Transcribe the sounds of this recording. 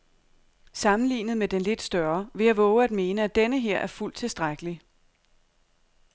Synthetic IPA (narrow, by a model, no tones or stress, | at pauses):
sɑ̈mn̩lḭːnð̩ˠmed̥enle̝d̥sd̥ɶɐʋe̝jɑ̈ʋɔ̽ːʊəæd̥̚me̝ːnəæd̥enəɦe̝ɐ̰ʔæɐful̰d̥t͡sʰe̝lsd̥ʁaɪɡ̥əli